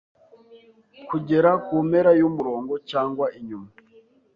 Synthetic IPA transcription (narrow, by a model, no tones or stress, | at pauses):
kuɟe̞ɾakuːmeɾajumuɾo̞ːŋɡo̞t͡ʃaːŋɡwaʔiɲuma